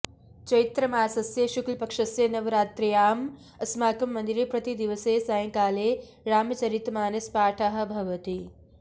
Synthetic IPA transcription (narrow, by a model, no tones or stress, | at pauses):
t͡ʃɐit̪ɾɐmaːsɐsjeʃuklpɐkʂɐsjɐnɐʋɾaːt̪ɾijaːm | ɐsmaːkɐmːɐnd̪iɾipɾɐt̪id̪iʋɐseːsajɐ̃ŋkaːleː | ɾaːmɐt͡ʃɐɾit̪maːnɐspaːʈʰaɦɐ̆bʱɐʋɐt̪i